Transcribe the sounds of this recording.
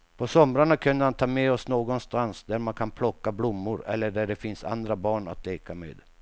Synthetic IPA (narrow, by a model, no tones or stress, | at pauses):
pʰɔsɔmɾaɳakʰɵnd̪əɾhant̪ʰɑːmeːɔsnoːɡɔnst̪ansd̪æɾmankʰanpʰlɔkːablʊmːʊɾɛ̰lːəɖæɖɛfɪnsa̰nd̪ɾabɑːɳa̰t̪ʰleːkamḛːd̪